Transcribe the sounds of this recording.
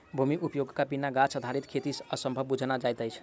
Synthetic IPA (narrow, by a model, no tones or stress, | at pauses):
bʱumiʔupjoɡkapinaɡat͡ʃʰəd̪ʱaɾit̪kʰet̪isəsə̃mbʱəbːud͡ʒʱnad͡ʒajt̪əjt͡ʃʰ